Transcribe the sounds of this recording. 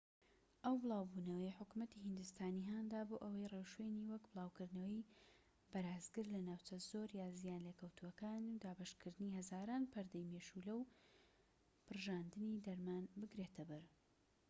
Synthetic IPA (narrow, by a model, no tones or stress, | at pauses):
ʔɐwbɨlˠaːwbuːnɐwɐjħʊkumɐt̪ihɨnd̪ust̪aːniɦaːnd̪aːboːʔɐwɐjrewʃweniːwɐkbɨlˠaːwkɨɾd̪nɐwɐj | bɐɾaːzɡɨɾlɐnaːwt͡ʃɐzoɾjaːzijaːnlekɐwt̪ʰuwɐkaːnud̪aːbɐʃkɨɾd̪ɨnihɐzaːɾaːnpʰɐɾd̪ɐjmeːʃulɐw | pʰɨrʒaːnd̪ɨnid̪ɐɾmanbɨɡɾet̪ʰɐbɐɾ